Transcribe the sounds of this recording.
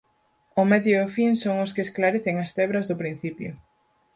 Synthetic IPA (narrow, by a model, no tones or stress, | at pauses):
ʊmɛðjoːfinsoŋʊskeːsklaɾeθeŋɐst̪ɛβɾɐzðʊpɾin̟θipjʊ̰